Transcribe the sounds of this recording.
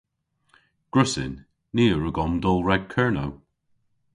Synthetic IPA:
ɡ̥ɹʊsɪ̰nː | iːəɹəɡɔmd̪ɔlˠɹɛɡ̥̚kʰɜɹno̰w

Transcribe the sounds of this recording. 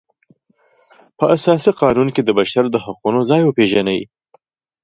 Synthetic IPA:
pəʔasɑsiqɑnunked̪əbaʃaɾd̪əhaqunozɑjwəpeʒanawḭ

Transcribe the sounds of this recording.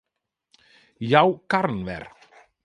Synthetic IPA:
jaːwkaɾnvɛ̰ɾ̥

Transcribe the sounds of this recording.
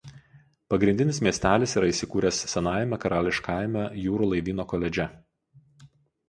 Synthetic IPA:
pɐɡɾʲɪnʲd̪ʲɪnʲɪsmʲiɛsʲt̪ʲæːlʲɪsiːɾɐisʲɪkuːɾʲɛssʲɛnɑːjɛmʲɛkɐɾɑːlʲɪʃkɑˑɪmʲɛjuːɾuːlˠɐɪʋʲiːnoːkoːlʲɛd͡ʒʲɛ

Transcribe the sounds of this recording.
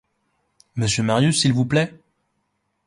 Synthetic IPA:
məsjømaʁjysːilvuplɛ

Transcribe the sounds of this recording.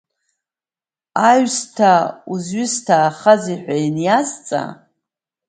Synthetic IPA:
aɥstʰauzɥʏstʰaːχaziħʷᶣajnjazt͡sʼa̰

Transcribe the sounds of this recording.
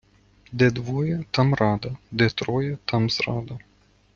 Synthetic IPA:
d̪ed̪vojət̪ɐmrad̪ɐd̪et̪ɾojət̪ɐmsra̰d̪ɐ

